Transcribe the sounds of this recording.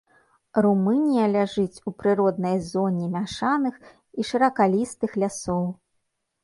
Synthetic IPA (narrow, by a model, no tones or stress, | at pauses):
rumɨnʲijɐlʲaʐɨt͡sʲupɾɨɾɔd̪̚nɐjzɔnʲimʲaʂanɨx | iʂɨɾɐkalʲist̪ɨxlʲasɔw